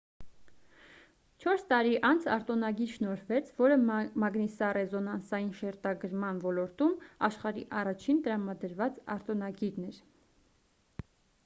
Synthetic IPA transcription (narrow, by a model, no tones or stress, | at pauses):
t͡ʃʰɔɾst̪ɑɾiʔɑnt͡sʰɑ̰ɾt̪ɔnɑɡiɾʃnɔɾvɛt͡sʰvɔɾəmɑɡnisɑrɛzɔnɑnsɑjinʃɛɾt̪ɑɡəɾmɑnvɔlɔɾt̪umɑʃχɑɾiʔɑrɑt͡ʃʰint̪əɾɑmɑd̪əɾvɑt͡sɑ̰ɾt̪ɔnɑɡiɾnɛɾ